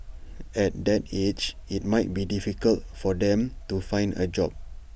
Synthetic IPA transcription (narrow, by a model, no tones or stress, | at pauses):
ɛt̚dɛted͡ʒit̚maɪt̚bidifikəlt̚fɔdɛ̃mtufãj̃ndə̰d͡ʒɔp̚